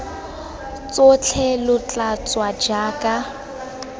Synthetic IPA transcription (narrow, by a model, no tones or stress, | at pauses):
t͡sot͡ɬʰɛlʊt͡ɬʼat͡sʼwad͡ʒaːkʼa